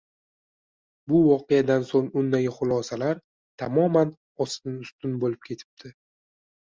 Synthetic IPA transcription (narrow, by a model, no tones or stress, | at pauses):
bʊvɒqejad̪ansoŋʊnd̪ːaɡʲɪχʊlˠɒsalaɾ | t̪ʰamɒman | ɒsɪnʊst̪ʊnbolɪp̚kʲʰe̞t̪ʰɪ̥p̚d̪̥ʰɪ